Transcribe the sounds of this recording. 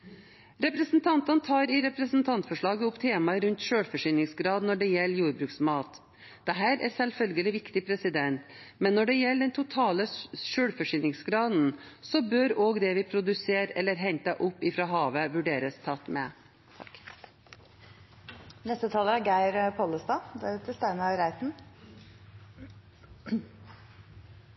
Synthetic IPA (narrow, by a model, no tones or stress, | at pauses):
ɾɛpɾəsn̩t̪ʰɑnt̪ɑnt̪ʰɑːɾɪɾɛpɾəsn̩t̪ʰɑnt̪fɔʂɭɑːɡəʊpt̪ʰeːmɑɾʉnt̪ʃøːɽfɔʂynɪŋsɡɾɑːd̪nɔɖɛjɛlːjuːɾbɾʉːksmɑːt̪ | d̪̥ɛɦæːɾæ̰ɾsɛlfœlɡəlɪʋɪkt̪ɪpʰɾɛsɪd̪ɛnt̪mɛnːɔɖɛjɛlːd̪ɛnt̪ʰʊt̪ʰɑːləʃøːɽfɔʂʏnɪŋsɡɾɑːd̪n̩sɔbøːɾoːɡd̪ɛʋɪpʰɾʊd̪ʉseːɾɛ̰lːəɾɦɛnt̪əʔʊpːɪfɾɑɦɑːʋəʋʉɖeːɾəst̪ʰɑt̪ːmɛ | t̪ʰk | nɛst̪ət̪ʰɑːləæɾɡæɪɾpʰɔləst̪ɑːd̪æɾʉt̪əst̪æɪnɑɾæɪt̪n